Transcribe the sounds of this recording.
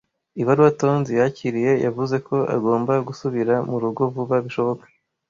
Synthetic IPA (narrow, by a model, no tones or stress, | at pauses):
iβaɾuwato̞ːnzijaciɾije̞ja̰vuze̞ko̞ʔa̰ɡo̞ːmbaɡusuβiɾamuɾuɡo̞vuβaβiʃo̞βo̞kḁ